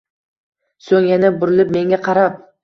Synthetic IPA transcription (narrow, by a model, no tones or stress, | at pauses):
soŋjanɪbʊɾɪlɪp̚me̞ŋɡʲaqʰɑɾap̚